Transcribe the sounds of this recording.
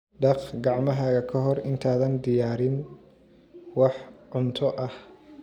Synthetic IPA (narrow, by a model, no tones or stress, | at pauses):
ɖɑqɡɑʕmɐɦaːɣɐkʰɐɦɔrɪnt̪ʰaːðɐnd̪ɪjaːɾɪn | wɑħʕʊnt̪ʰɔʔɐh